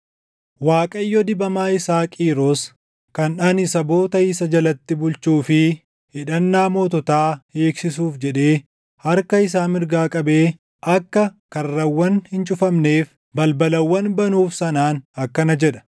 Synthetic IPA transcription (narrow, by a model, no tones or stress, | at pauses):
waːkʼɐjːɔd̪ɪbɐmaːɪsaːkʼiːɾos | kɐnᶑɐnɪsɐbo̞ːt̪ɐiːsɐd͡ʒɐlɐt̪ːɪbʊlt͡ʃuːfɪ | hɪᶑɐnːaːmoːt̪ɔt̪aːheːksɪsuːfd͡ʒɛᶑe̞ː | hɐɾkɐɪs̬aːmɪɾɡaːkʼɐbe̞ː | ʔɐkːɐkɐrːɐwːɐnhɪnt͡ʃʼʊfɐmne̞ːf | bɐlbɐlɐwːɐnbɐnuːfsɐnaːnɐkːɐnɐd͡ʒɛᶑɐ̥